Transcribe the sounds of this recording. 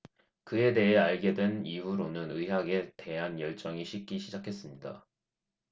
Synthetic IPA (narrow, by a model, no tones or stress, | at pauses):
kɯe̞de̞ɦe̞aɭɡe̞dweniɦuɾonɯnɯɦaɡe̞te̞ɦanjʌɭt͡ɕ͈ʌŋiɕʰik̚k͈iɕʰid͡ʑakʰe̞s͈ɯmɲida̰